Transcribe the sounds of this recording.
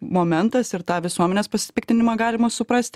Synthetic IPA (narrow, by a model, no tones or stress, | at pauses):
moːmʲɛnt̪ɐsɪɾt̪ɑːʋʲɪsuɔmʲɛnʲeːspɐsʲɪ̥pʲɪkt̪ʲɪnʲɪmɑːɡɑːlʲɪmɐsʊpɾɐsʲt̪ʲ